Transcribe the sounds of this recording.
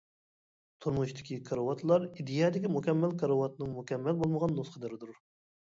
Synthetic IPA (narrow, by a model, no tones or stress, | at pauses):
t̪ʰuɾmuʃt̪ɪ̥kʲikʰɑɾəwɑt̪ʰlˠɑɾid̪ijɑːd̪ɪkʲimukʲɛmːælkʰɑɾəwɑt̪nɨŋmukʲɛmːælbolˠməʁɑnːusqʰəd̪ɪɾɪd̪uɾ